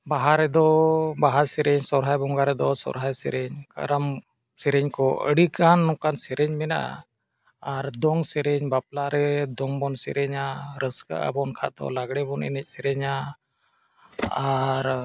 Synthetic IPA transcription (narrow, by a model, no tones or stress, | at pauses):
baɦaɾɛd̪ɔbaɦaɾsɛɾɛɲsɔɾɦajbɔŋɡaɾɛd̪ɔsɔ̰ɾɦajsɛɾɛɲkə̰ɾam | sɛɾɛɲkɔʔəɽikanːɔkansɛɾɛɲmɛna̰ʔ | aɾd̪ɔŋsɛɾɛɲbap̚laɾɛd̪ɔŋbɔnsɛ̰ɾɛɲaɾəska̰ʔə̰bɔnkʰad̪ɔ̰laɡɽɛbɔnɛ̰nɛc̚sɛɾɛɲa | aɾ